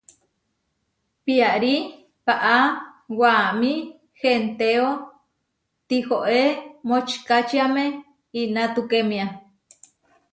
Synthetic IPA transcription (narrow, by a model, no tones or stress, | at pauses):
piaʔɾi | paʔawami | hent̪eo | t̪ihoʔemot͡ʃkat͡ʃiamẽ | inãt̪ukemĩa